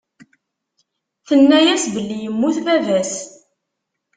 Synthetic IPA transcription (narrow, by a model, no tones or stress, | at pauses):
θənːæjæsbəlːijəmːuθvævæs